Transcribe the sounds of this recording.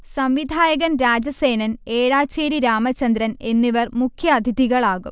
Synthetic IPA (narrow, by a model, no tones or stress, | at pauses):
sɐmʋid̪ʱaːjɐɣɐnɾaːd͡ʑɐse̞ːnɐneːɻaːt͡ɕeːɾiɾaːmɐt͡ɕːɐnd̪ɾɐne̞nːiʋɐrmukʰjɐːd̪ʱiðiɣɐɭaːɣum